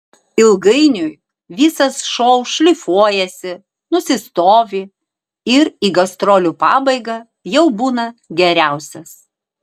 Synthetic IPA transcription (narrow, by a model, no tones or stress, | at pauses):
ɪlˠɡɐɪnʲʊj | ʋʲiːsɐsʃɔʊʃʲlʲɪfuɔjɛsʲɪ | nʊsʲɪst̪oːʋʲi | ɪɾiːɡɐst̪ɾoːlʲupɑ̰ːbɐɪɡɑ | jɛʊbuːnɐɡʲɛɾʲæˑʊsʲɛs